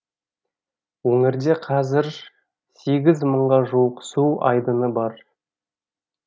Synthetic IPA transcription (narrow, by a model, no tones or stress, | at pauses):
wɵŋɪɾd̪e̞qʰɑzɪɾ | se̞ɡʲɪzməɴʁɑʒuwəqsuʔɑ̰jd̪ənəbɑɾ